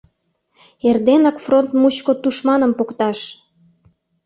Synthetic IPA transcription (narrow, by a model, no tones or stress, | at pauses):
erd̪enɑkfront̪mut͡ɕkot̪uʃmɑnə̆mpokt̪ɑʃ